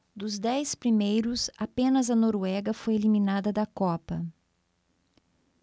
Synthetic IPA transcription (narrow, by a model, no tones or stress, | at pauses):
d̪ʊzd̪ɛspɾimejɾʊsapẽnɐzɐnoɾwɛɡɐfojelimĩnad̪ɐd̪ɐkɔpɐ